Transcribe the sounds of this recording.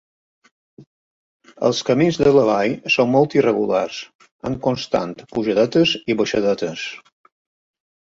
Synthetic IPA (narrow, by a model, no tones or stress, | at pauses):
ə̰lˠskəminzðələβajsonmɔlˠt̪irəɣula̰rs | ə̰ŋkunst̪a̰nt̪puʒəðɛt̪əziβəʃəðɔt̪əs